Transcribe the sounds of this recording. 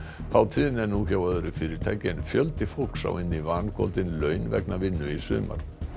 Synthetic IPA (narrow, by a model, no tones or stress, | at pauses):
θawt̪ʰiːðɪnɛɾnuçawœðʏɾʏfɪːɾɪɾ̥t̪ʰajcɪnfjœlt̪ɪfol̥ksa̰wɪnːivankʰɔ̰lt̪ɪnlœɥnvɛ̰knavɪnːʏisʏ̰ːma̰ɾ